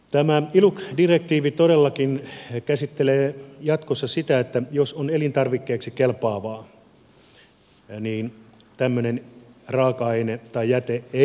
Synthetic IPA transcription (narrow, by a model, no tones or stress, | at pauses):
t̪æmæilukdirek̚t̪iːʋit̪odelːɑkinkæsit̪ːeleːjɑt̪kosːɑsit̪æet̪ːæjosonelint̪ɑrʋikːeːksikelpɑːʋɑː | niːn | t̪æmːønenrɑːkɑenet̪ɑijjæt̪ee